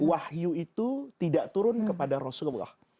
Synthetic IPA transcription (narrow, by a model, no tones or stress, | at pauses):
wahjuit̪ut̪idaʔt̪uɾʊnkəpadaɾosəlbla̰h